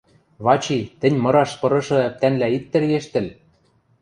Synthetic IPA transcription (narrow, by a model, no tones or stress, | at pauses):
βɑt͡ɕit̪ɘ̆nʲmɤ̆ɾɑʃpɤ̆ɾɤ̆ʃɤ̆æp̚t̪ænlæit̪ːɘ̆rɣeʃt̪ɘ̆l